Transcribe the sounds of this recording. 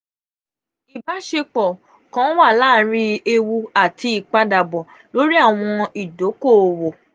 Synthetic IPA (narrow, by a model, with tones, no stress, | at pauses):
i˨ba˨˦ʃe˧k͡pɔ˨ | kã˨˦wa˦˨la˦˨˦ɾi˦e˧wu˧a˦˨ti˧i˨k͡pa˦da˨bɔ˨ | lo˨˦ɾi˦a˦˨w̃ɔ̃˧i˨do˨˦ko˦˨wo˨